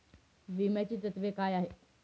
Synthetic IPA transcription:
ʋimjat͡ɕiːt̪ət̪ʋekaːjaɦe

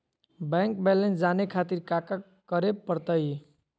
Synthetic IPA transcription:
baŋkbelensd͡zanekʰat̪iɾkaka | kʌɾeb̚pʌɾt̪ʌj

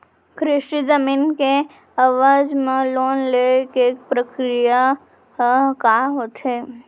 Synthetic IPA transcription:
kʰɾɪʃʈid͡ʒəmiːnke | ɐʋaːd͡ʒmẽloːnlekek̚pɾəkɾija | kaːɦoːt̪ɦeː

